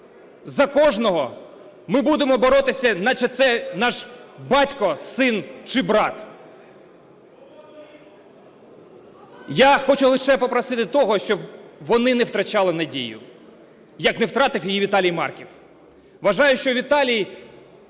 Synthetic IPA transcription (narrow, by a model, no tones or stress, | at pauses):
zɐkɔʒnɔɦɔ | mɪbud̪emɔbɔɾɔt̪ɪsʲɐnɐt͡ʃɛt̪sɛnɑʃbɑtʲkɔsɪnt͡ʃɪbɾɑt̪ | jaxɔt͡ʃʊlˠɪʃɛpɔpɾɐsɪt̪ɪt̪ɔɦɔʃt͡ʃɔbʋɔnɪnɛwt̪ɾɐt͡ʃɑlˠɪnɐdʲḭjʊ̰ | jɐknɛwt̪ɾɑt̪ɪwjijiʋʲit̪ɑlʲijmɑ̰rkʲiw | ʋɐʒɑjʊʃt͡ʃɔʋʲit̪ɑlʲiji